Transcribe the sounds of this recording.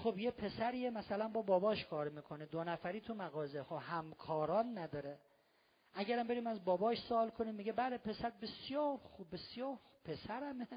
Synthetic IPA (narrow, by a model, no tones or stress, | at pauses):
χobjepʰe̞sæɾiːemæsælænbɒːbɒːbɒːʃkʰɒːɾmiːkʰo̞nid̪onæfæɾiːt̪ʰumæɣɒːzexobhæmkʰɒːɾɒːnːæd̪ɒːɾe | ʔæɟæɾæmbe̞ɾiːmæzbɒːbɒːʃsoɒːlkʰoniːmːiːɡebælepʰe̞sæɾbe̞sjɒːɾxubbe̞sjɒːɾxubpʰesæɾæme